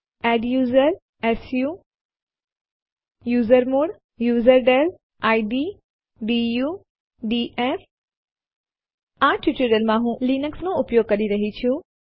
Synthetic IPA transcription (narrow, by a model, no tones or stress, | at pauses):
ɛːɖjuːzəɾ | eːsjuː | juːzəɾmuːɽ | juːzəɾɖeːl | aːiɖiː | ɖijuː | ɖiːʔeːf | ãːʈuʈuɾjəlmãːɦũliːnəksmõʊpjoːɡ̚kɐɗiɾɐɦit͡ɕʰijũ